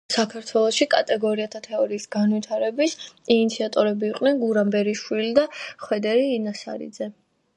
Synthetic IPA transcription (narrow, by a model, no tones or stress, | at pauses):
sakʰaɾt̪ʰwɛlˠɔʃikʼa̰t̪ʼɛɡɔɾiat̪ʰat̪ʰɛɔɾiːsɡanwit̪ʰaɾɛbisinit̪sʰiat̪ʼɔɾɛbiːqʼnɛnɡuɾambɛɾiʃwilid̪aχwɛd̪ɛɾiːnasa̰ɾḭd̪zɛ